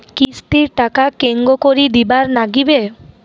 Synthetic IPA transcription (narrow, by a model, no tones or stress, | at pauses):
kisʈiɾʈakakeŋɡokoɾid̪ibaɾnaɡibe